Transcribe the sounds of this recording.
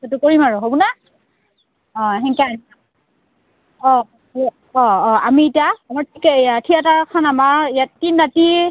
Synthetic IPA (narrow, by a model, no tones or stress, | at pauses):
setukoɹimaɹɔɦobuna | ɔ̃ɦɛŋkɛania | ɔ̃ | ɔ̃ɔ̃amiːtiaːmaɹtʰikɛatʰijataɹkʰanamaɹijainːati